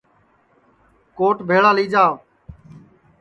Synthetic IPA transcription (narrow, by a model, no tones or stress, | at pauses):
koːʈbʱeːɭaːliːd͡ʒaː